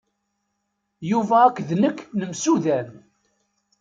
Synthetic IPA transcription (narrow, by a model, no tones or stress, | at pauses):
juvæækʷːðnəkːnəmsuðæn